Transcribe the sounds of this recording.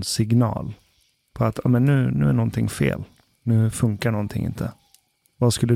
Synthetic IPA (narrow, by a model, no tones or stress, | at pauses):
sɪɡnɑ̰ːl | pʰɔat̪ʰɑːmɛnːʉ̟ːnʉ̟ːæɳɔnt̪ʰɪŋfḛːl | nʉ̟ːfɵŋkaɳɔnt̪ʰɪ̰ŋʔɪ̰nt̪ʰə | vaskɵlːə